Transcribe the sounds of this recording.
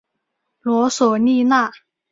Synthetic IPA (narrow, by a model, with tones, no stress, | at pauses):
lwɔ˧˥swɔ˨˩ni˥˧na˥˩